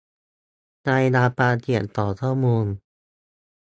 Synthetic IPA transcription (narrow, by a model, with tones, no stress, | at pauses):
naː˧jnaː˧paː˧t̪i˨˩ənt̪ɔː˨˩t̪ʰɔː˥˩moː˧n